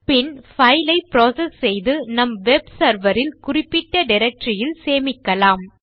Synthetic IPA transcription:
pɪnfɐjlɐɪpɾoːsɛsːɛjðɯnɐmʋɛbsɐɾʋɐɾɪlkʊrɪpːɪʈːɐɖɪɾɐk̚ʈɾɪjɪlseːmɪkːɐlaːm

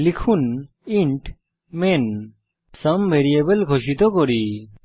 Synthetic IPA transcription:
likʰun | iɳʈ | men | səmbʱeɾiebəlɡʱoʃit̪ɔkoɾi

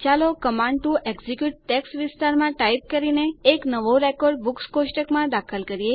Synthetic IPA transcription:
t͡ʃalokəmãɳɖ̚ʈuʔeɡzikjuʈ̚ʈɛksʋɪst̪aɾmãʈaip̚kəɾineːknəʋoɾekɔɾɖ̚bukskoʃʈəkmãd̪akʰəlkəɾie

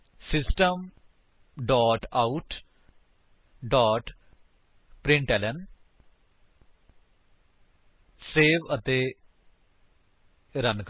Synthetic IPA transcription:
sɪsʈəm | ɖɔːʈauʈ | ɖɔːʈ | pɾɪ̃ɳʈɛːlən | seːʋət̪eː | ɾənk

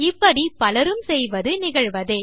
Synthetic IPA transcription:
ɪpːɐɽipɐlɐɾɯmsɛjʋɐðɯnɪɣɐɻʋɐðe

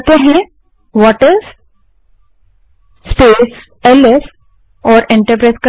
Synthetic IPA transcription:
t̪eɦɛ̃ | ʋɔːʈəɾz | speːs | ɛlɛs | ɔːɾɪ̃ɳʈəɾp̬ɾaɪska

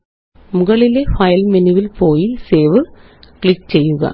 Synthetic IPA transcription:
mʊɣɐɭilefɐjlmɛniʋilpoːjilseːʋɨ | kɭɪk̚t͡ɕejːɯɣɐ̰

